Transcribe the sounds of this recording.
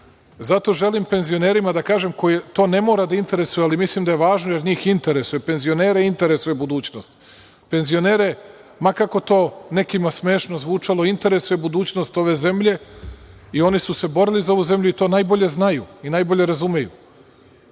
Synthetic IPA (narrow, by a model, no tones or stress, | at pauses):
zat̪o̞ʒe̞limpe̞nzio̞ne̞ːɾimad̪akaːʒe̞mko̞jet̪o̞ːne̞mo̞ːɾad̪aint̪e̞ɾe̞sujealimislimd̪aje̞ʋaːʒnoje̞ɾɲiːxint̪e̞ɾesujepe̞nzio̞neːɾeint̪e̞ɾe̞sujebud̪uːt͡ɕnost̪ | pe̞nzio̞neːɾe̞ | makako̞t̪o̞ːne̞kimasme̞ːʃnozʋuːt͡ʂalo̞int̪e̞ɾe̞sujebud̪uːt͡ɕno̞st̪o̞ʋe̞ze̞mʎe̞ | io̞nisuse̞bo̞ɾilizao̞ʋuze̞mʎʲuit̪o̞ːnaːjbo̞ʎe̞znajuinaːjbo̞ʎe̞ɾazumejṵ